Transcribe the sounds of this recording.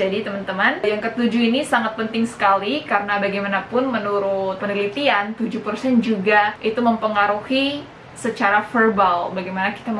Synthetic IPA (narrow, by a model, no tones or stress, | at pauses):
adit̪əmənt̪əmənjaŋkət̪ud͡ʒuinisaŋat̪̚pənt̪ɪŋsə̥kalikaɾənabaɡajmanapʊnmənuɾʊt̪̚pənilit̪iant̪ud͡ʒupərsɛnd͡ʒuɡaʔit̪uməmpəŋaɾuhi | sət͡ʃaɾafərbalbaɡajmanaki̥t̪a